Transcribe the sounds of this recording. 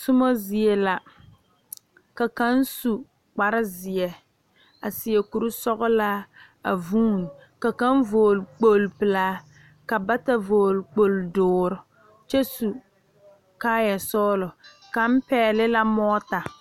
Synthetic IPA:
sʊ˦mo˦zɪ˨ɛ˨la˨ | ka˨ka˦n˦su˨ | k͡pa˨ɾɪ˦zɪ˨ɛ˨ | a˨sɪ˨ɛ˨ku˨ɾu˦sɔ˦ɣʊ˦la˦ | a̰˨vuː˦n˨ | ka˨ka˦n˦voː˨lk͡po˦˨lpɨ˨laː˦ | ka˨ba˦ta˨voː˨lk͡po˨ldʊː˨ɾʊ˨ | t͡ʃɛ˦su˨ | kaː˦jɛ˨sɔː˦lʊ˨ | ka˨m˦pɛː˦lɪ˦la˦mɔː˦ta˨

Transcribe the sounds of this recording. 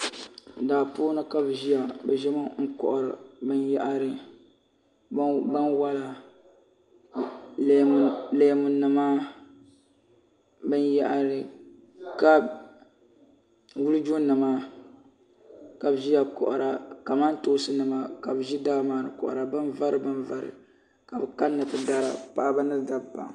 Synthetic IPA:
daː˨poː˦nɨ˦ka˦bʒi˦ja˨bɛ˨ʒɛ˦mɨ˦ŋ̩˦kɔ̰˨ʔʊ˨ɾɨ̰˨bɨ˦njɛ˦ʔa˦ɾɨ˨˦ | ba˦nwa˦la˨˦ | leː˦˨mu˨nɨ˨maː˦ | bɨ˦nja˦ʔa˦ɾɨ˨ | ka˦b | wu˦lɨ˦d͡ʒu˦nɨ˨ma˨ | ka˨bʒi˦ja˨kɔ̰˨ʔʊ˨ɾa˨ka˨ma˦n˦toː˦sɨ˦nɨ˨ma˨ka˨bʒi˦da˦maː˨ɾɨ˨kɔ̰˨ʔʊ̰˨ɾa˨bɨ˦nva˦ɾɨ˨bɨ˦nva˨ɾɨ̰˨ | ka˨bɨ˨ka˦nːɨ˨pɨ˨da˦ɾa̰˨pa˨ʔba˦nɨ˦da˨bba̰˨ŋ˨

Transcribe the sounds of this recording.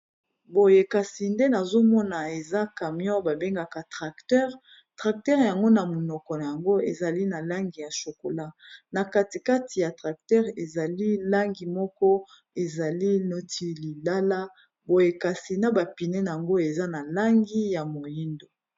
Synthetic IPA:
bo˨je˨ka˨si˨nde˦na˨zo˦mɔ˦na˨e˨za˦ka˨mjɔ̃˦ba˨be˦ŋɡa˨ka˨tʁa˨ktɛ˦ʁ | tʁa˨k̚tɛ˦ʁja˨ŋɡo˦na˨mo˨nɔ˨kɔ˨na˨ja˨ŋɡo˦e˨za˨li˦na˨la˦ŋɡi˨ja˨ʃo˨ko˨la˦na˨ka˦ti˨ka˦ti˨ja˨tʁa˨k̚tɛ˦ʁe˨za˨li˦la˦ŋɡi˨mɔ˦kɔ˦ | e˨za˨li˦no˦ti˨li˨la˦la˦ | bo˨je˨ka˨si˨na˦ba˨pi˨nɛ˦na˨ja˨ŋɡo˦e˨za˦na˨la˦ŋɡi˦ja˨mo˨ji˦ndo˨

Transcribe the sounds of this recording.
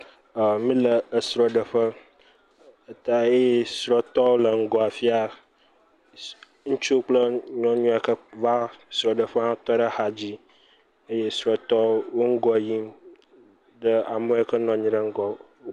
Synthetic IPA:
ə˨mĩ˦lə˨ə˨sɾɔ˨ɖə˨ɸə˦ | ə˨t̪a˦e˦je˦sɾɔ˦t̪ɔ˦wlə˨ŋ̩˦ɡɔ˨a˨fi˦a˨ | ŋũ˦t͡ʃu˦k͡plə˦ɲɔ̃˦ɲũ˦a˨kə˦va˦sɾɔ˨ɖə˨ɸə˦hã˦t̪ɔ˦ɖə˦ha˨d͡ʑi˦ | ə˦je˦sɾɔ˨t̪ɔ˦wo˦ŋ̩˦ɡɔ˦˨ji˦m | ɖə˦a˨mə˦e˦kə˦nɔ̃˨ɲĩ˦ɖə˦ŋ̩˦ɡɔ˨˦

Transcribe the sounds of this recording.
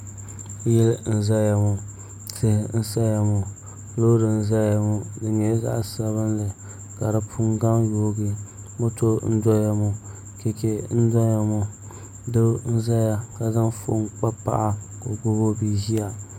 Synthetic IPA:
jɛ˦ln̩˦za˦ja˨mʊ˨ | tɨ˦hɪ˨n̩˦sa˦ja˨mʊ˨ | lo˦dɨ˨n̩˦za˦ja˨mʊ˦dɨ˨ɲɛ˨˦za̰˦ʔsa˨βɨ˦nlɨ˨ | ka˨dɨ˨pʰu˦ŋɡa˦ŋjoː˦ɡi˦ | mo˦to˦n̩˦dɔ˦ja˦mʊ˨ | kɛ˨ke˦n̩˦dɔ˦ja˨mo˨ | dɨ˦n̩˦za˦ja˦ka˨zɨ˦nfo̰˨˦k͡pa˦pa̰˦ʔa˦ | ko˨ɡʊ˦bo˦bi˦ʒi˦a˨

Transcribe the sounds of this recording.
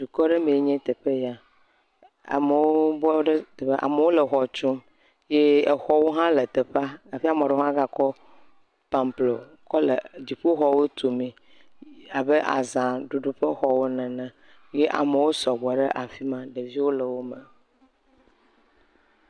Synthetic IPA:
d̪u˨kɔ˦ɖe˦mẽ˨e˦ɲɛ̃˦t̪e˨ɸe˦ja˦ | a̰˨me˨wo˦bɔ˦ɖe˦t̪e˨ɸe˦ʔa̰˨me˨wo˦lə˨xɔ˨t͡ʃu˦m | je˦e˨xɔ˦wo˦ɦã˦le˨t̪e˨ɸa˦a˨fi˦a˦˨mɔ̃˨ɖo˦ã˦ɡa˨kɔ˦ | pã˨mplo˨ | kɔ˦le˨d͡ʑi˨ɸo˦xɔ˨wo˦t̪o˨mĩ˨ | a˨be˦ʔa̰˨zã˨ɖu˨ɖu˨ɸe˦xɔ˨wo˦nɛ̃˨nɛ̃˦ | je˦ʔa̰˨me˨wo˦sɔ˨ɡ͡bɔ˨ɖe˦ʔa˨fi˦mã˦ɖe˨vi˦wo˦lə˨wo˦mɛ˨

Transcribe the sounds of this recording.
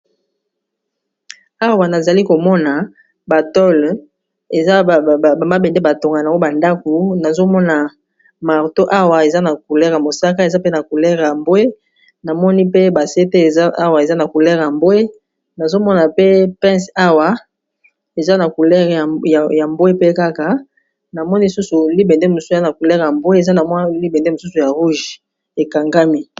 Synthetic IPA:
a˦wa˨na˨za˨li˦ko˨mɔ˦na˨ | ba˨tɔ˦l | e˨za˦˨ba˨ma˦bɛ˨nde˦ba˨to˨ŋɡa˨n˨a˨˦o˦ba˨nda˦ku˨na˨zo˦mɔ˦na˨ | ma˨ʁto˦ʔa˦wa˨e˨za˦na˨k̚u˨lɛ˦ʁja˨mo˨sa˦ka˦e˨za˦pe˦na˨ku˨lɛ˦ʁja˨mbo˦e˦ | na˨mɔ˦ni˦pe˦ba˨se˦te˦˨za˦a˦wa˨e˨za˦na˨ku˨lɛ˦ʁja˨mbo˦e˦ | na˨zo˦mɔ˦na˨pe˦pɛ̃˦sa˦wa˨ | e˨za˦na˨ku˨lɛ˦ʁja˨ja˨mbo˦e˦pe˦ka˦ka˨ | na˨mɔ˦ni˦lsu˦su˨li˦bɛ˨nde˦mo˨sa˦na˨ku˨lɛ˦ʁja˨mbo˦e˦e˨za˦na˨m˦li˦be˨nde˦mo˨su˦su˨ja˨ʁu˦ʒ | e˨ka˨ŋɡa˦mi˦

